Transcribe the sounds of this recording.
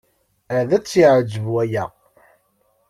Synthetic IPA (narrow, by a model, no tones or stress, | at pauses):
əðæt͡sːiʕəd͡ʒəvuæjæ̰